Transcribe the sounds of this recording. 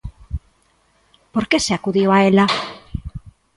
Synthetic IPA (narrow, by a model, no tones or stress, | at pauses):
poɾke̞seakuðioaela